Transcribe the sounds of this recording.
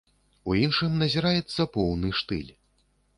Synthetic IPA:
uinʂɨmnɐzʲiɾajɛt̪sːɐpɔwnɨʂt̪ɨ̰lʲ

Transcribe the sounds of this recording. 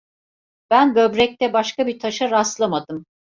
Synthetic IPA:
b̥ænɡøbɾɛc̚t̪ɛbaʃkabit̪ʰaʃaɾast̪lˠamad̪ɯm

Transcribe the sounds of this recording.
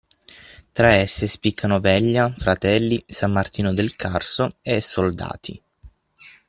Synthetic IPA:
t̪ɾaɛsːespikʰːanovɛʎːafɾat̪ɛlːisamːart̪iːnod̪elkʰarsoesːold̪a̰ːt̪ʰḭ

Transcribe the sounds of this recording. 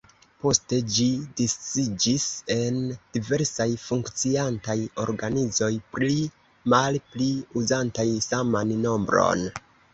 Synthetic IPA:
po̞ste̞d͡ʒidist͡sid͡ʒise̞nd̥ive̞ɾsajfuŋkt͡siantajo̞̰ɾɡanizo̞jpɾi | malpliuzantajsamanːo̞mbɾo̰n

